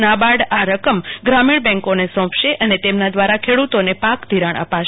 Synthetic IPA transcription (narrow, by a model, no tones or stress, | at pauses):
nabaɽaɾəkəmɡɾamiɳ̃bɛ̃ŋkonesɔ̃pʰʃeʔənet̪emnad̪ʋaɾakʰeɽut̪onepakd̪ʱiɾaɳ̃ʔə̰paʃ